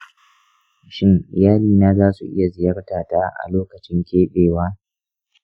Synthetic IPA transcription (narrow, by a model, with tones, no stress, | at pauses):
ʃɪ˦ŋʔɪ˨jaː˦liː˨naː˦zaː˦su˨ʔɪ̰˦ja˨zɪ˨jɐ˦rtaː˨taː˦ʔa̰˨loː˦kɐ˨t͡ʃɪ˦ŋkʲeː˦ɗeː˨waː˦